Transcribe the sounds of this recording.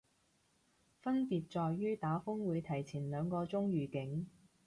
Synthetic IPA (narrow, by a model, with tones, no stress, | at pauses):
fɐ˥npiː˨t̚t͡sɔː˨jːyː˥t̪aː˨˥fʊ˥ŋwuː˨˧jt̪ʰɐ˨˩jt͡sʰiː˨˩nlœː˨˧ŋkɔː˧t͡sʊ˥ŋɥyː˨˩kɪ˨˥ŋ